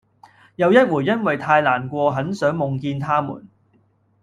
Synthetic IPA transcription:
jɐ˨˧wjɐ˥t̚wuː˨˩jjɐ˥nwɐ˨jt̪ʰaː˧jlaː˨˩nkʷɔː˧ɦɐ˨˥nsœː˨˥ŋmʊ˨ŋkiː˧nt̪ʰaː˥mṵː˨˩n

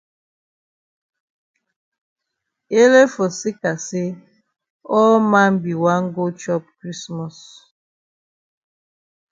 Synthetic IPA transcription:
e˦le˦fo˨si˦ka˨se˦ | ɔ˦lma˦n˦bi˨wa˦ŋ˦ɡo˦t͡ʃɔ˦p̚kɾi˦smɔ˨s

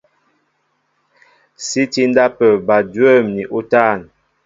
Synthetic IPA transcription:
si˦ti˦n˦da˦pə˨ba˨dwə˦mni˨ʔu˦ta˦˨n

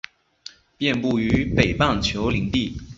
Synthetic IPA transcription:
pjɛ˥˧npu˥˩y˧˥pe˨˩ɪpɑ˥˩ŋt͡ɕʰjo˧˥ʊli˧˥ŋt̪i˥˩

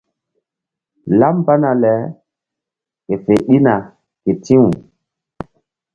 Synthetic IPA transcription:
la˦mba˦na˨lɛ˨˦ | ke˨fe˨ɗi˦na˨ | ke˨tʰĩ˦wu˨

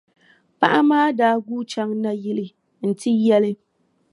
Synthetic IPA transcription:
pa̰˦ʔa˦maː˦daː˦ɡuː˦t͡ʃa˦ŋna˦ji˦lɪ˦ | n̩˨ti˦jɛ˦lɪ˦

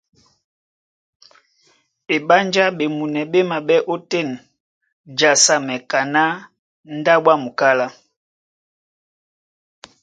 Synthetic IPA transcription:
e˨ɓa˦nd͡ʒa˦ɓe˨mu˨nɛ˨ɓe˦ma˨ɓɛ˦ʔo˦tɛ˦˨n | d͡ʒa˨sa˨mɛ˨ka˨na˦ | n̩˦da˦ɓwa˦˨mu˨ka˦la˦

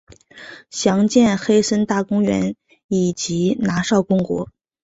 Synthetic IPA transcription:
ɕjɑ˧˥ŋt͡ɕjɛ˥˩nxe˥ɪsə˥nt̪a˥˩kʊ˥ŋɥɛ̰˧˥n | i˨˩t͡ɕi˧˥na˧˥ʂɑ˥˩ʊkʊ˥ŋkwɔ̰˧˥

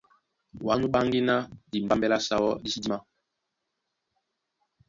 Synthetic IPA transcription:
wa˦nu˦ɓa˦ŋɡi˦na˦di˨m̩˨ba˦mbɛ˦la˦sa˨wɔ˦di˦si˦di˦ma˦

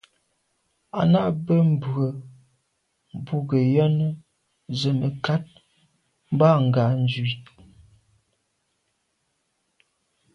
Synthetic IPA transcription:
a˨na˦bə˦m̩˨bə˨ | m˨bu˦ɡə˨jɛ˦nə˦ | zə˨nə˨ka˦t̚ | m̩˦ba˦ŋ̩˨ɡa˨n˦d͡ʒɥi˨

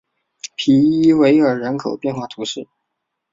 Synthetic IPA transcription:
pʰi˧˥i˥we˧˥ɪə˞˨˩ɻə˧˥nkʰo˨˩ʊpjɛ˥˧nxwa˥˩t̪ʰu˧˥ʂɻ̩˥˩

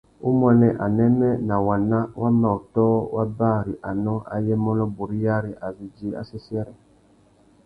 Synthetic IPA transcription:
u˦mwɛ˨nɛ˨ʔa˨nɛ˦mɛ˦na˨wa˨nã˦wa˦ma˨u˨tɔː˦wa˦baː˦˨ɾi˨ʔa˨nɔ̃˦a̰˨jɛ˦mɔ˦nɔ˦bu˨ɾi˦ja˦ɾi˨ʔa˨vi˨d͡ʒi˦a̰˦sɛ˦si˦ɛ˦ɾɛ˨

